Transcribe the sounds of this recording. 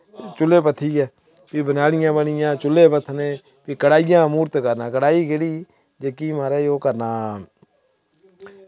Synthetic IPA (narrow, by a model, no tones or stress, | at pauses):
t͡ʃʊlːeːpət̪ʰːiːɛː | piːbənaːɽɪjãːbəɳɪjãːt͡ʃʊlːeːpət̪ʰːnẽː | piːkəɽaːɪjãːmuːɾt̪kəɾnãːkəɽaːiːkeːɽiː | d͡ʒeːkiːmaːɾaːoːkəɾnaː